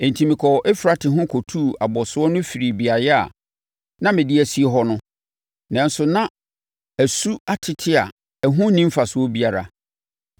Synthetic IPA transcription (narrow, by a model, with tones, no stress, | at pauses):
ɛ̃˨n̩˨tʰĩ˨mĩ˨kʰɔ˨ʔɛ˦fɾa˨tʰɪ˨ɦʊ̃˦kʰɔ˨tʰuː˦˨a˨bɔ˨sʊ˦ɔ˦nʊ̃˦fi˨ɾi˨bi˨a˨jɛ˦a̰˨ | nã˦mɪ̃˨dɪ˦æ˨si˦e˦ɦɔ˦nʊ̃˦ | nã˨n˦sʊ˨nã˦ | æ˨su˦a˦tʰɪ˨tʰɪ˦a˨ | æ˨ɦũ˦nĩ˦m˦fa˨sʊ˨˦ɔ˦bi˦a˨ɾa̰˨